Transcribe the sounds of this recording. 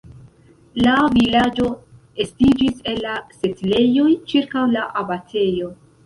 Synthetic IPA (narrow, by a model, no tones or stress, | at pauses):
lavilad͡ʒo̞ | e̞stid͡ʒise̞lːase̞tile̞jo̞jt͡ʃiɾkawlaʔabatʰe̞jo̞